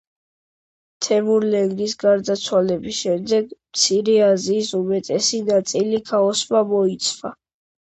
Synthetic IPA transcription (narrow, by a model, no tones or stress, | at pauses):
t̪ʰɛmuɾlɛŋɡɾisɡaɾd̪at̪sʰwalɛbisʃɛmd̪ɛɡmt̪sʰiɾɛaziːsumɛt̪ʼɛsinat̪sʼilikʰaɔsmamɔit̪sʰva̰